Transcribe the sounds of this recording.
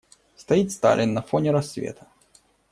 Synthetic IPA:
st̪ɐit̪st̪a̰lʲɪnːɐfonʲɪɾɐsːvʲḛt̪ʰə̥

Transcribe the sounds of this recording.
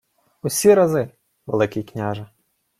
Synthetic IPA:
usʲiɾɐzɪ | ʋelˠɪkʲijknʲaʒɐ

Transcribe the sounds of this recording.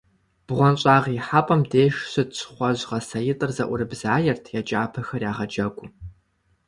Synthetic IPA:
b̥ʁʷɔnɕʼaːʁiːħaːpʼɐmdeːʃsɨtsʰχʷɔʑʁɐsɐjɪtʼɨrzɐʔʷʊɾɨbzaːjɛrtʰjɛt͡ʃʼaːpʰɐxɐrjaːʁɐd͡ʒɐɡʷʼʊ

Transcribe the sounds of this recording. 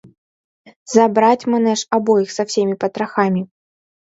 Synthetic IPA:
zabɾat͡sʲmanɛʂabɔjixsawsʲemʲipɐt̪ɾaxamʲi

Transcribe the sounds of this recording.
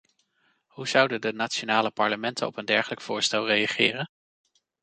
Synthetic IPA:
huz̥ʌwdədənaːtt͡ʃonaːləpɑɹləmɛntənɔ̰pəndɛɹχələkfʊːɹstɛlˠrejaχɪːrən

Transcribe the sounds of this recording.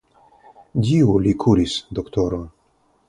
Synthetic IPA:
diulikʰuɾisd̪okt̪oɾo

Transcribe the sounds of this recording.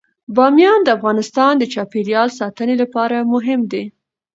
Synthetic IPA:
bɑmjɑnd̪əafɣɑnɪst̪ɑnd̪ət͡ʃɑpeɾjɑlsɑt̪ənelapɑɾamʊɦɪmd̪e

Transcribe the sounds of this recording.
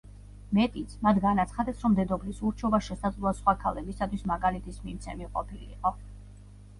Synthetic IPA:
mɛt̪ʼit̪sʰmat̪ʰɡanat̪sʰχad̪ɛsʰɾɔmd̪ɛd̪ɔblisuɾt͡ʃʰɔbaʃɛsad̪zlˠuasχwakʰalɛbisat̪ʰwismaɡalit̪ʰismimt̪sʰɛmiqʼɔpʰilḭːqʼɔ

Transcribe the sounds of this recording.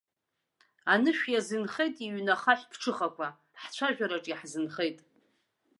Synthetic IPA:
anɨʃᶣjazɨnχejtʼiɥnaχaħʷᶣpʰʈ͡ʂʰɨχakʷʰa | ħt͡ɕʷʰaʒᶣaɾaʈ͡ʂʼiħzɨnχejtʼ

